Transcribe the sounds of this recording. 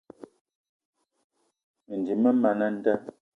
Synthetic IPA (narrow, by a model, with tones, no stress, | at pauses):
n̩˨di˨mə˦mɛ˨nə˦n̩˦tə˦